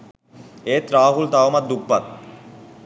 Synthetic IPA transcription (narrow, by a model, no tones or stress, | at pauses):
et̪ɾaɦult̪aomat̪̚d̪uk̚pat̪̚